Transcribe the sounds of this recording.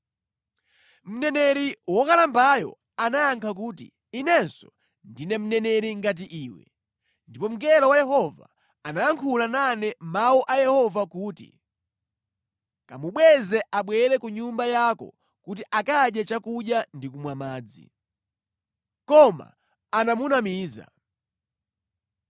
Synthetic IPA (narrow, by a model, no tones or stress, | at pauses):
m̩nɛnɛɾiwɔkalambajɔ̰ | anaːŋkʰak̬uːtḭ | inɛnsɔ | ndinɛm̩nɛnɛɾiŋɡat̬iʔiːwɛ̰ | ndipɔm̩ɡɛlɔwajɛhɔva̰ | anaaŋkʰulananɛmauʔajɛhɔvakuːtḭ | kamuɓwɛzɛʔaɓwɛɾɛkuɲumbajakɔ̰ | kut̬iʔakaɗjɛt͡ʃakuɗjandikumwamaːd͡zḭ | kɔma̰ː | namunamiːza̰